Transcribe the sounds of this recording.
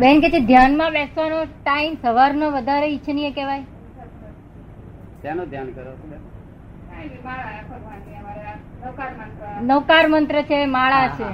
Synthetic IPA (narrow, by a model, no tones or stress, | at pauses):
bɛnket͡ʃʰed̪ʱjanmãʋɛsʋanoʈaimsəʋaɾnoʋəd̪ʱaɾeitːt͡ʃʰənijẽkeʋaj | t̪janod̪ʱjankəɾo | nəʋkaɾmənt̪ɾət͡ʃʰemaɭat͡ʃʰe